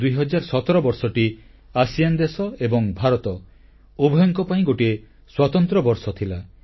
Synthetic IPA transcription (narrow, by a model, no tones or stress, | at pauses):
d̪ujɦɔd͡ʒaɾsɔt̪ɔɾɔbɔɾsɔʈi | asijand̪esɔebɔŋbʱaɾɔt̪ɔ | ubʱɔjɔŋkɔpaĩɡoʈie | swat̪ɔnt̪ɾɔbɔɾsɔt̪ʰila